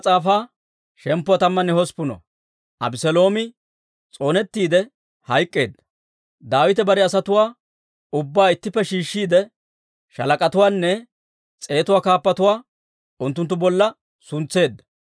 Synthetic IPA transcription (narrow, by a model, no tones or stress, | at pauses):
t͡sʼaːfaː | ʃɛmpːʊwat̪ɐmːɐnːɛhɔspʊnɔ̰ | ʔɐ̰bɪsɛlo̞ːmɪ | t͡sʼo̞ːnɛt̪ːiːd̪ɛ | hɐjkʼːe̞ːd̪ːɐ̥ | d̪aːwɪt̪ɛbɐɾɛɐsɐt̪ʊwaː | ʊbːaːɪt̪ːɪpːɛʃiːʃːiːd̪ɛ | ʃɐlɐkʼɐt̪ʊwaːnːɛ | t͡sʼe̞ːt̪ʊwaːkaːpːɐt̪ʊwaː | ʊnt̪̬ːʊnt̪ːʊbɔlːɐ | sʊnt͡sːe̞ːd̪ːɐ̥